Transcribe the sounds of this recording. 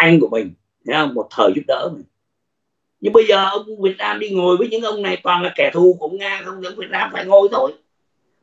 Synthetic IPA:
ʔa˧jŋ̟ku˧˩əmï˨˩ŋ̟ | hɛ˨˧˦ə˧wŋ͡mmo˨˩t̚t̪ʰəː˨˩jzu˦˥p̚ɗə̰ː˧˥mï˨˩ŋ̟ | ɲɨ˧ŋɓə˧jzəː˨˩ʔə˧wŋ͡mku˧vi˨˩ət̚naː˧mɗi˧ŋo˨˩əjvəː˨˦jɲɨ̰˧˥ŋʔə˧wŋ͡mna˨˩jkwɔ˨˩nlaː˨˩kɛ˧˩t̪ʰu˨˩ku˧˩˧ʔə˧˩wŋ͡mŋaː˧xə˧wŋ͡mzə̰˧˥ŋvi˨˩ət̚naː˧mfaː˧˩jŋo˨˧˩jt̪ʰo˨˧˦j

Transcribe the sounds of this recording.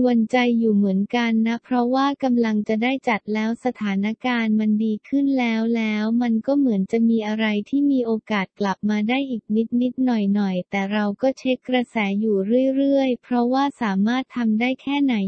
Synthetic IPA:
wa˧nt͡ɕa˧jːuː˨˩mɯ˩˦ənka˧nːa˦˥pʰɾɔ˦˥waː˥˩ka˧mla˧ŋt͡ɕa˨˩daː˥˩jt͡ɕa˨˩t̪̚lɛː˦˥wsa˧t̪ʰaː˩˦na˦˥kaː˧nma˧ndiː˧kʰɯ˥˩nlɛː˦˥wlɛː˦˥wma˧nkɔː˥˩mɯ˩˦ənt͡ɕa˨˩miː˧ʔa˧ɾa˧jt̪ʰiː˥˩miː˧ʔoː˧kaː˨˩t̪̚kla˨˩p̚maː˧daː˥˩jʔiː˨˩k̚ni˦˥t̪̚ni˦˥t̪̚nɔ˨˩jnɔ˨˩jt̪ɛː˨˩ɾa˧wkɔː˥˩t͡ɕʰe˦˥kːɾa˧sɛː˩˦juː˨˩ɾɯ˥˩əjɾɯ˥˩əjpʰɾɔ˦˥waː˥˩saː˩˦maː˥˩t̪ʰːa˧mdaː˥˩jkʰɛː˥˩na˩˦j

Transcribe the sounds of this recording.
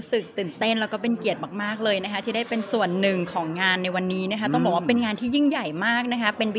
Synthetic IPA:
sɯ˨˩k̚t̪ɯː˨˩nt̪e˥˩nlɛː˧˥wkɔː˥˩pe˧nki˨˩ət̪̚maː˨˩k̚maː˥˩k̚lɤː˧jna˦˥kʰa˦˥t̪ʰiː˥˩da˥˩jpe˧nsu˨˩ənːɯ˨˩ŋkʰɔː˩˦ŋːaː˧nːa˧jwa˧nːiː˦˥na˦˥kʰa˦˥t̪ɔ˥˩ŋbɔː˨˩wa˥˧pe˧nŋaː˧nt̪ʰiː˥˩ji˥˩ŋja˨˩jmaː˥˩k̚na˦˥kʰa˦˥pe˧nw

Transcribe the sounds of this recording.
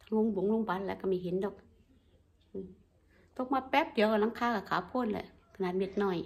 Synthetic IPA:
t̪ʰa˧ŋu˧˥˨ŋbu˨˦ŋlu˧˨ŋba˨˧˦t̪̚lɛː˧˦˨ka˧˩ma˧˩˨ɦe˨˦ndɔː˧˩˦k̚ | ɯ˧˩ | t̪o˧˦k̚maː˧˩pɛː˦˥p̚di˨˦wka˧˩la˧˥ŋkʰaː˧kaː˧˩kʰaː˨˦pʰo˧˥˨nlɛ̰˧˨ʔ | kʰa˧˨naː˨˩t̪̚me˧˩t̪̚nɔː˧˩j

